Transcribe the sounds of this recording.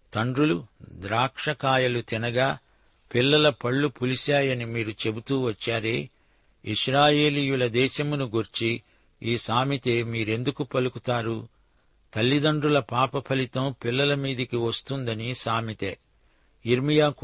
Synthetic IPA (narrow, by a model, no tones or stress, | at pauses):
t̪ɐɳɖɾulud̪ɾaːkʂɐkaːjɐlut̪inɐɡaː | pilːɐlɐpɐɭːupulisaːjɐnimiːɾut͡ʃe̞but̪uːʋɐt͡ʃːaːɾeː | iʃɾaːje̞ːliːjulɐd̪ɛːʃɐmunuɡuɾt͡ʃi | iːsaːmit̪eːmiːɾe̞nd̪ukupɐlukut̪aːɾu | t̪ɐlːid̪ɐɳɖɾulɐpaːpɐpʰɐlit̪ɐmpilːɐlɐmiːd̪ikiʋɐst̪und̪ɐnisaːmit̪eː | iɾmijaː